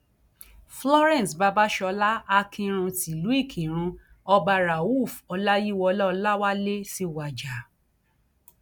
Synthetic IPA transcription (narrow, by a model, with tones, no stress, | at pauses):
flɔ˦ɾɛ̃˦˨sba˧ba˦ʃɔ˧la˦a˧kʰĩ˧ɾ̃ũ˧ti˨lu˨˦i˦˨kʰĩ˨ɾ̃ũ˧ | ɔ˧ba˧ɾa˨u˦˨fɔ˧la˦ji˦wɔ˧lɔ˦ɔ˧la˦wa˦le˦si˦˨wa˨d͡ʒa˨